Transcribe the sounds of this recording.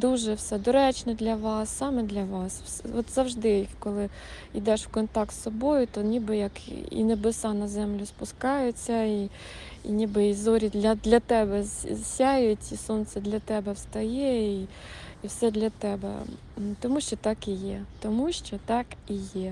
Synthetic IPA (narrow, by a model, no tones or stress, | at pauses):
d̪uʒɛwsɛd̪ɔɾɛt͡ʃnɛd̪lʲɐʋɑsːɑmɛd̪lʲɐʋɑswsɔt̪zɐwʒd̪ɪkɔlˠɪ | id̪ɛʃwkɔnt̪ɑk̚t̪sːɔbɔjʊt̪ɔnʲibɪjɐkḭnebesɑnɐzɛmlʲʊspʊskɑjʊt͡sʲːɐi | ḭnʲibɪizɔɾʲid̪lʲɐd̪lʲɐt̪ɛbɛzsʲajʊtʲisɔnt̪sɛd̪lʲɐt̪ɛbɛwst̪ɐjɛiiwsɛd̪lʲɐt̪ɛbɛ̰ | t̪ɔmuʃt͡ʃɔt̪ɑkijɛt̪ɔmuʃt͡ʃɔt̪ɑkijɛ